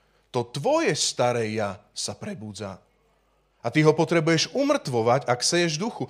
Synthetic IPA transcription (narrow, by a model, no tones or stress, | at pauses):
t̪ɔt̪ʋɔjɛst̪aɾɛːjasapɾɛbuːd͡za̰ | at̪iɦɔpɔt̪ɾɛbujɛʒumr̩t̪ʋɔʋaɟaksɛjɛʒd̪uxu